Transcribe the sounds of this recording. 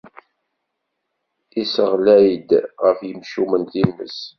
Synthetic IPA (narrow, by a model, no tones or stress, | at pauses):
isəʁlæjəd̪ʁəfjəmʃumənt̪inːə̰s